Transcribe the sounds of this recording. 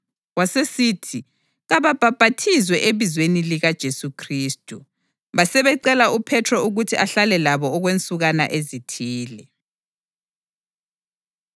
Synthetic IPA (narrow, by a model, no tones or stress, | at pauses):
wasesitʰi | ɣaβab̥ʱab̥ʱatʰizwɛʔeβizweniliɣad̥ʒ̥ʱesukʰriːstʼu | βasɛβɛǀɛlaʔupʰɛtʰrɔuɣutʰiʔaɬalɛlaβɔːɣwent͡sʼuɣana̰ʔezitʰiːlɛ